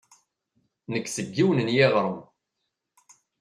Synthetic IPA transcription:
nəkːsəɡːiwnənjeʁɾˤəm

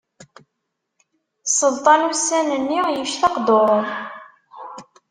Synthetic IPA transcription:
sˤəlt̪ˤɑnusːænənːijəʃθɑqd̪oɾˤ

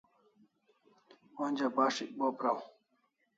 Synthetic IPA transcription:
ond͡ʑabaːʂik̚boːpɾaw

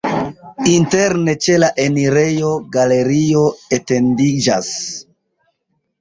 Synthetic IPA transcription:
inte̞ɾne̞t͡ʃe̞laʔe̞niɾe̞jo̞ɡale̞ɾio̞ete̞ndid͡ʒas

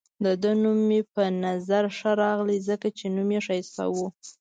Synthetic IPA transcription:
d̪əd̪ənumːepənazaɾʂəɾɑɣlizəkat͡ʃenumjeʂajsa̰wu

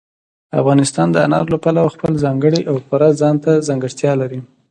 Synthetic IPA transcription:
a̰fɣɑnɪst̪ɑnd̪əa̰nɑ̰ɾlapalawaxpəlzɑŋɡəɽiʔawxʊɾazɑnt̪azɑŋɡəʂt̪jɑlaɾi

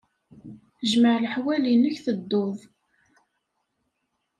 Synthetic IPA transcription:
ʒməʕləħwælinəçθəd̪ːoðˤ

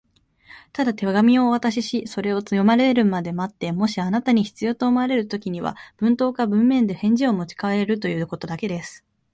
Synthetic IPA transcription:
t̪ad̪at̪e̞βaɡamʲio̞ːβat̪aɕ̬iɕiso̞ɾe̞o̞t͡sɨjo̞maɾe̞ɾɯ̟mad̪e̞mat̪ːe̞mo̞ɕianat̪aɲ̟içi̥t͡sɨjo̞ːt̪oːmaaɾe̞ɾɯ̟t̪o̞kʲiɲ̟iβa̰b̥ɯ̟̃nt̪o̞ːkabɯ̟̃mːẽ̞nd̪e̞hẽ̞ɲ̟d͡ʑio̞mo̞t͡ɕi̥kae̞ɾɯ̟t̪o̞jɯ̟ːko̞t̪o̞d̪ake̞d̪e̞sɨ̥

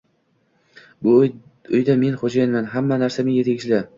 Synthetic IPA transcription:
bʊ | ʊjd̪ame̞nχod͡ʒajanmanɦamːanaɾsamɪŋjet̪ʰaɡʲɪt͡ʃʰlɪ

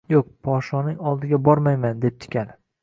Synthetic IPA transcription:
joq̚pʰɒʃɒnɪŋɒlˠd̪ɪɡʲabɒɾmajmand̪e̞p̚t͡ʃ̪ʰɪ̥kʲanɪ

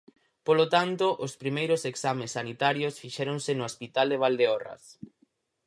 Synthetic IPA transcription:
polot̪ant̪oʔospɾimejɾoseksamesːanit̪aɾjosfiʃɛɾoŋsɪnʊespit̪ald̪eβ̞ald̪eɔrɐ̰s

